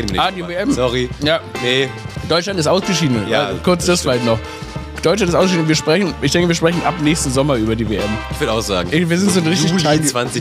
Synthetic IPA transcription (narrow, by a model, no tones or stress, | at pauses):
aːdiːveɛmsɔʁijaːned̥ɔʏtlantɪstʔaʊsɡ̥əʃiːdən̩jakʰʊɐt͡sd̥asfɪlaɪçtnɔχ | d̥ɔʏtlantɪstʊɡəʃiːdn̩viːɐʃpʁ̥ɛçn̩ɪçd̥ɛ̃ŋkəviːɐʃpʁ̥ɛçn̩ʔa̰pnɛːçstn̩zɔmɐʔyːbɐdiːveʔɛmɪçv̥ɪɐdaʊxz̥a̰ːɡŋ̩viːɐzɪntz̥oːnʁɪçtɪçavant͡sɪ